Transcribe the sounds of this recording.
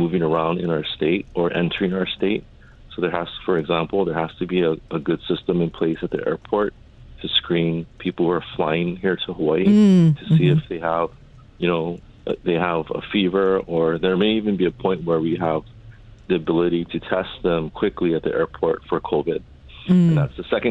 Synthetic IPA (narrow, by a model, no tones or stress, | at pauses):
muvɪ̃ŋə˞ãʊ̃ndɨ̃naʊə˞steɪɾʔə˞ʔɛ̰̃ntəɹ̥ɪ̃ŋaʊə˞steɪt̚ | soʊðə˞hæsfə˞ɨɡzæ̃mpl̩ˠðə˞hæstɨbiəəɡʊd̥sɪstə̃mɨ̃npʰl̥eɪsɨt̪̚ðḭʔɛ̰ɹpʰɔɹtʰ | ɨskɹĩnpʰipl̩ˠə˞flaɪɪ̃ŋhiɹɾəhəwaɪtʰɨsiɨfðeɪəv̥ | jɨñoʊ | ðeɪəvə̰fivə˞ə˞ðə˞meɪivɨ̃nbiɨpʰɔ̃ɪ̃nʔ̚wə˞wiəv | ðiɨbɪlˠəɾiɾɨtʰɛst̪̚ðə̃mkʰw̥ɪkliɨt̪̚ðḭʔɛɹpʰɔɹtfə˞kʰoʊvɪd̥̚ | nðætsðəsɛkɨ̃